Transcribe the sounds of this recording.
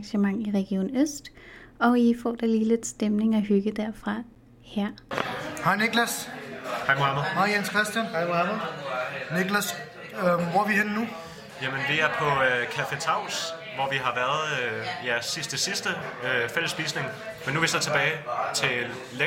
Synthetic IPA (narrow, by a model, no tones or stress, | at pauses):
ŋɕəmɑ̈ŋ̰iʁɛɡ̥io̝̰ːnøsd̥ | ɒ̽ifɒ̰ːd̥ɑliːle̝d̥sd̥emne̝ŋɒɦyɡ̥əd̥æɐ̰fʁɑ̈ | hæɐ̰hɑ̈ɪneɡ̥læshɑ̈ɪmoɑməhɑɪjenskʰʁɛsd̥jænɪæmə | neɡ̥læs | ʋɒʋihenːu | jæmənʋiæɐpʰɒ̽økʰæfe̝t͡sʰɑ̈ʊ̰s | ʋɒʋiɦɑ̈ʋæɐð̩ˠjæsisd̥əsisd̥əøfeləsːb̥ḭːsne̝ŋmenːuʋisɒt͡sʰe̝b̥ɛːɪt͡sʰe̝ | le